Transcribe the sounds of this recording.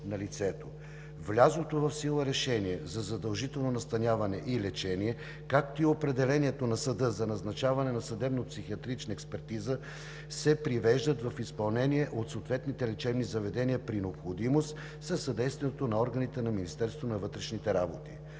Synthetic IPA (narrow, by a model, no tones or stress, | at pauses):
nɐlit̪sɛt̪o | vlʲazˠot̪ovɐfsilˠəɾɛʃɛniɛzɐzɐd̪ɐlˠʒit̪ɛlˠnonɐst̪ɐnʲavɐnɛʔilɛt͡ʃɛniɛ | kak̚t̪oiopɾɛd̪ɛlɛniɛt̪onɐsɐd̪ɤzɐnɐznɐt͡ʃavɐnɛnɐsɐd̪ɛbnəpsixiɐt̪ɾit͡ʃnəɛkspɛɾt̪izə | sɛpɾivɛʒd̪ət̪vɐfispɐlˠnɛniɛʔot̪soːt̪vɛt̪nit̪ɛlɛt͡ʃɛbnizɐvɛd̪ɛniəpɾinɛopxod̪imost̪ | sɐsːɐd̪ɛjst̪viɛnot̪onɐɔɾɡənit̪ɛnɐminist̪ɛɾst̪vonɐvɤt̪ɾɛʃnit̪ɛɾabot̪i